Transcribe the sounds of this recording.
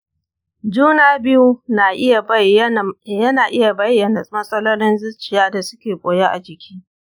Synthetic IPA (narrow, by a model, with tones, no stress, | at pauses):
d͡ʒuː˦naː˦bɪ˦ju˦na˨ʔɪ˦ja˨˦˨jɐ˦naː˨ʔɪ˦ja˨bɐ˦jːɐ˨na˨mɐ˦sʼɐ˦lɔ˦lɪ˦nzɪ˦t͡ʃɪ˨jaː˦da˨sʊ̥˦kʲeː˨kʷʼoː˨je˦ʔa̰˨d͡ʒɪ˨kʲiː˦